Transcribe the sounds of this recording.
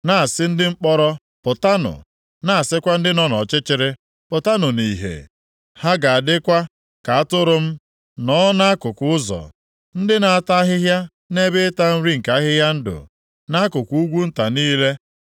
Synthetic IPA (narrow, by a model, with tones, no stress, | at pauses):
na˨a˨sɪ˦n̩˦dɪ˦ŋ͡m̩˦k͡pɔ˦ɾɔ˦ | pʊ˨ta˦nʊ̰˨ | na˦a˨sɪ˦kʷa˦n̩˦dɪ˦nɔ˦nɔ˨t͡ʃɪ˦t͡ʃɪ˦ɾɪ˦ | pʊ˨ta˦nʊ˨ni˨ɦḛ˨ | ha˦ɡa˨a˨dɪ˦kʷa˦ | ka˨a˦tʊ˦ɾʊ˦m̩˦ | nɔ˦na˦a˦kʊ˨kʊ˦ʊ˦zɔ̰˨ | n̩˦dɪ˦na˨a˨ta˦ɦɪ˦ɦja˦ | ne˦bɪ˦ɪ˦ta˦m̩˦ɾi˦ŋ̩˨ka˨˦ɦɪ˦ɦja˦n̩˦dʊ̰˨ | na˦a˦kʊ˨ku˦u˦ɡʷu˦n̩˦ta˨niː˦le˦